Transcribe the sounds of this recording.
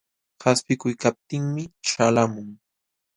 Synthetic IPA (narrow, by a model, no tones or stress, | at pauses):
haspɪkʊjkap̚t̪ɪŋmɪʃalamʊŋ